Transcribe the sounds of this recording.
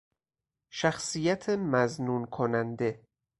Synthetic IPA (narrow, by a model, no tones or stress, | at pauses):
ʃæxsijæt̪ʰemæznuːnkʰonænd̪e̞